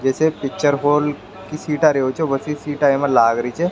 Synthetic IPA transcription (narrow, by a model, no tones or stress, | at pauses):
d͡ʒɛːsepɪk̚t͡ʃəɾɦoːl | kisiːʈaɾeɦot͡ʃʰebəsisiːʈaːjmẽlaːɡɾəit͡ʃʰɛ